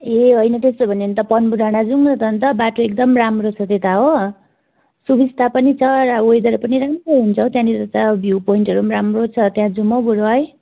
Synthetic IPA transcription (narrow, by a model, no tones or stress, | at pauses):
eɦojnʌt̪est̪obʱʌnent̪ʌpʌnbud̪ʱaɽ̃ad͡zuŋnʌt̪ʰʌnt̪ʌbaʈoek̚d̪ʌmramrot͡sʰʌt̪et̪aɦo | subʱist̪apʌnit͡sʰʌɾʌojd̪ʌɾpʌniɾamroɦunt͡sʰʌt̪jãnit̪ʌt̪abʱjupoiɳʈʌɾumɾamrot͡sʰʌt̪jãd͡zumʌbuɽoɦʌj